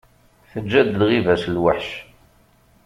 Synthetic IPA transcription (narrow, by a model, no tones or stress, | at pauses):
θəd͡ʒːæd̪lʁivæslwəħʃ